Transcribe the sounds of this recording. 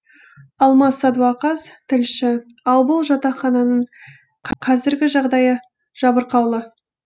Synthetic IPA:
ɑlˠmɑsɑd̪uɑqɑzt̪ʰɪlʃɪ | ɑlˠbʊlˠʒɑt̪ɑχɑnɑnəɴ | qʰqʰɑzɪɾɡʲɪʒɑʁd̪ɑjə | ʒ̥ɑbəɾqɑwlˠə

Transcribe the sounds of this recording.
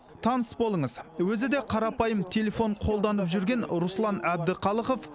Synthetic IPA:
t̪ʰɑnəsbo̞lˠəɴəzwɵzɪd̪e̞qʰɑɾɑpɑjəmt̪ʲʰe̞le̞fo̞ɴqʰo̞lˠd̪ɑnəpʒʏɾɡʲe̞nɾuslˠɑnæb̚d̪ɪqʰɑlˠəqo̞f

